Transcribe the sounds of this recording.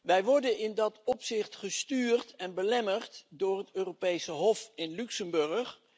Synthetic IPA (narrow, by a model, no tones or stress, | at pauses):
ʋɛjʋɔɹdənɪndɑtɔpsɪχtχəstyːrtɛnbəlɛmərtdʊːɹɦətøːropejsəɦɔfɪnlyksəmbɵɹχ